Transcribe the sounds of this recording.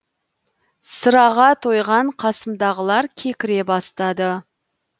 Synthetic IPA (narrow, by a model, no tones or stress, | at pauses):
səɾɑʁɑt̪ʰo̞jʁɑɴqʰɑsəmd̪ɑʁəlˠɑɾkʲʰe̞kʲɪɾe̞bɑst̪ɑd̪ə